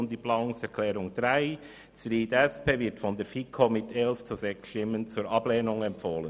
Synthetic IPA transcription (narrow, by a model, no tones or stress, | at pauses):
ʊnd̪iplɑːnʊŋsɛɾkʰlɛːɾʊŋd̪̥ɾaɪ | t͡sɾiːdɛspʰeːvɪɾtfɔndɛːɾfikʰomɪtʰɛlft͡suzɛksʃtɪmːənt͡suːɾʔɑbleːnʊŋɛmfoːlən